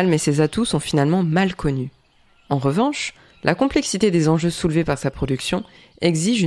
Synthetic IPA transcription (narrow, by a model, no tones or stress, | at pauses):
lmesezat̪usɔ̃finalmɑ̃malkʰɔny | ɑ̃ʁəvɑ̃ʃ | lʔa̰kɔ̃plɛksit̪ed̪ezɑ̃ʒøsulvepaʁsapχɔd̪yksjɔ̃ | ɛɡziʒ